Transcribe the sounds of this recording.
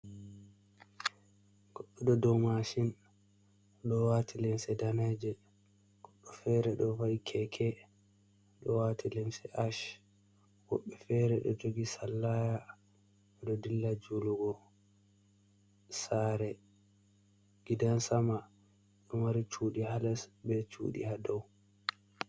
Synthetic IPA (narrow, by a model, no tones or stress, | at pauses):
ɡ̥ɔɗːɔɗɔdɔmaʃin | ɗɔwatʰilɛmsɛdanad͡ʒɛ | ɡ̥ɔɗːɔfɛɾɛɗɔvaikʰɛkʰɛ | ɗɔwatʰilɛmsɛʔaʃ | wɔɓːɛfɛɾɛɗɔd͡ʒoɡisalːaja | ɛɗɔdilːad͡ʒuluɡɔ | saɾɛ | ɡ̥idansama | ɗɔwaɾit͡ʃuɗihalasbɛt͡ʃṵːɗḭhadɔw